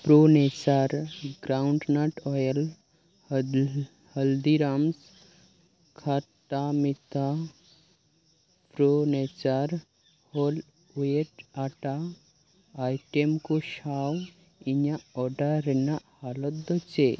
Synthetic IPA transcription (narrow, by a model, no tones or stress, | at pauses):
pɾonet͡ʃaɾɡɾauɳɖnaʈʰɔjəl | həld̪iɾams | kʰaʈamit̪ʰa | pɾonet͡ʃaɾ | hol | eʈaʈaː | jʈemkoʃaw | iɲaɔɖaɾɛnahalɔt̪d̪ɔt͡ʃe